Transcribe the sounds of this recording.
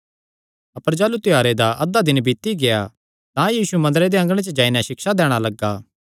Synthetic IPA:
ɐpəɾd͡ʒaːlut̪ɪjaːɾed̪aʔɐd̪ad̪ɪnbiːt̪iɡea | t̪ãjiːsumɐ̃nd̪əɾed̪eɐ̃ŋɡɽ̃ẽt͡ʃəd͡ʒaːinaʃɪkʃad̪ɛːɽ̃alɐɡaː

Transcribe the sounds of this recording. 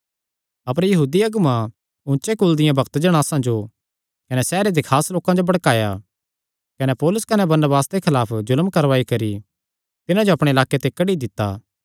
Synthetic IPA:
ɐpəɾjɐɦuːd̪iɐɡʊmã | ʊ̃nt͡ʃekʊld̪ɪjãbɐkt̪d͡ʒɐɽ̃aːsãd͡ʒo | kɐnɛsɛːɾed̪ekʰaːsloːkãd͡ʒobɐɽkaːja̰ | kɐnɛpɔːlʊskɐnɛbɐɾnəbaːsd̪ekʰɐlaːpʰd͡ʒʊlmkɐɾʋaːikɐɾi | t̪ɪnãd͡ʒoɐpɽeɪlaːket̪ekɐɽid̪ɪt̪ːa̰ː

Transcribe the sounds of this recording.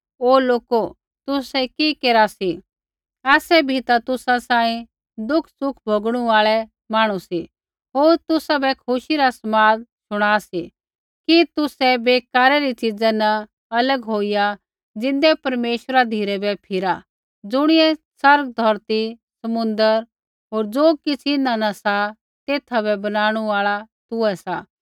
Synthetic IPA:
oːloːko | t̪ʊsɛkikeːɾasi | ɛːsɛbʱit̪at̪ʊsãsãːĩ | d̪ʊkʰsʊkʰbʱoːɡɽ̃ũaːɭɛ | maːɽ̃ũsi | ɦoːɾt̪ʊsabɛkʰʊʃiɾasɐmaːd̪ʃʊɽ̃aːsi | kit̪ʊsɛbeːkaːɾɛɾit͡ʃɪd͡zɛnɐ | ɐləɡɦoːija | d͡zɪ̃nd̪ɛpɐɾmeːʃəɾad̪ʱiːɾɛbɛpʰɪɾa | d͡zʊɽ̃ɪɛsɐɾɡ̚d̪ʱɔɾt̪i | sɐmʊ̃nd̪əɾ | ɦoːɾd͡zoːkɪt͡sʰɪnãnɐsa | t̪eːt̪ʰabɛbɐnaːɽ̃uaːɭat̪ʊɛsaː

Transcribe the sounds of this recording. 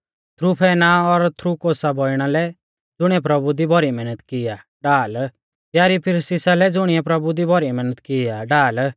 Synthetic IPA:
t̪ʰɾupʰɛːnaɔɾt̪ʰɾukoːsabɔɪɽ̃alɛ | d͡zʊɽ̃ɪɛp̬ɾɐbud̪ibɔɾimɛnət̪kɪja | ɖaːl | jaɾipʰɪɾsɪsalɛd͡zʊɽ̃ɪɛpɾɐbud̪ibʱɔɾimɛnət̪kɪjaɖaːl

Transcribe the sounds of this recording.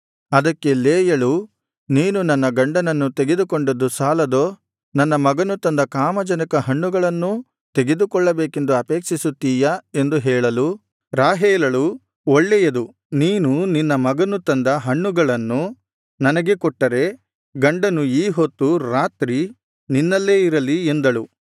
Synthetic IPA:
ɐd̪ɐkːe̞leːjɐɭu | niːnunɐnːɐɡɐɳɖɐnɐnːut̪eɡed̪ukɔɳɖɐd̪ːusaːlɐd̪oː | nɐnːɐmɐɡɐnut̪ɐnd̪ɐkaːmɐd͡ʒɐnɐkɐɦɐɳːuɡɐɭɐnːu | t̪eɡe̞d̪ukɔɭːɐbeːke̞nd̪uɐpeːkʂisut̪ːiːjɐe̞nd̪uɦɛːɭɐlu | ɾaːɦɛːlɐɭu | oɭːɛjɐd̪u | niːnuninːɐmɐɡɐnut̪ɐnd̪ɐɦɐɳːuɡɐɭɐnːu | nɐnɐɡekɔʈːɐɾe̞ | ɡɐɳɖɐnuiːɦot̪ːuɾaːt̪ɾi | ninːɐlːe̞ːiɾɐliend̪ɐɭu

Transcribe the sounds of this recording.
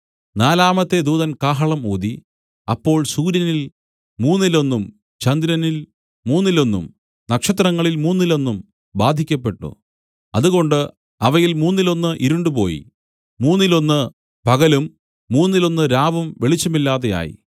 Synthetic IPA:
naːlaːmɐt̪ːe̞d̪uːðɐnkaːɦɐɭɐmuːd̪i | ɐpːo̞ːɭsuːɾjɐnil | muːnːilo̞nːum | t͡ɕɐnd̪ɾɐnil | muːnːilo̞nːum | nɐkʂɐt̪̬rɐŋːɐɭilmuːnːilo̞nːum | baːd̪ʱikʲːɐp̬ːe̞ʈːṵ | ɐðuɣo̞ɳɖɨ | ɐʋɐjilmuːnːilo̞nːɨʔiɾuɳɖupo̞̰ːjḭ | muːnːilo̞nːɨ | pɐɣɐlumː | uːnːilo̞nːɨɾaːbɐmʋe̞ɭit͡ɕːɐmilːaːðeja̰ːjḭ

